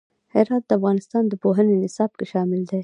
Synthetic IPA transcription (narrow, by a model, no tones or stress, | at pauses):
hɪɾɑt̪̚d̪əafɣɑnɪst̪ɑnd̪əpoɦənenɪsɑb̚keʃɑmɪld̪e